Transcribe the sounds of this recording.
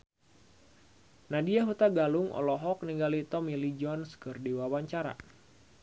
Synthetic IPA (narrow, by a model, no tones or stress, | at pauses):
nadiaɦut̪aɡaluŋʔɔ̰lɔɦɔk̚niŋɡalit̪ɔmilid͡ʒɔnskɨrdiwawaɲt͡ʃaɾa̰